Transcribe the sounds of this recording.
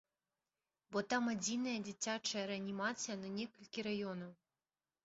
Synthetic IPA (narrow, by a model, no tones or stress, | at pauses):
bɔt̪amad͡zʲinɐjɐd͡zʲit͡sʲat͡ʂɐjɐɾɛɐnʲimat̪sɨjɐnɐnʲɛkɐlʲkʲiɾajɔnɐw